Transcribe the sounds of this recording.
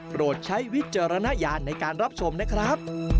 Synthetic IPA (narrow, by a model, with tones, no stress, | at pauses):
pɾoː˨˩t̪̚t͡ɕʰa˦˥jwi˦˥t̪̚t͡ɕaː˧ɾa˧na˦˥jaː˧nːa˧jkaː˧nɾa˦˥p̚t͡ɕʰo˧mna˦˥kʰɾa˦˥p̚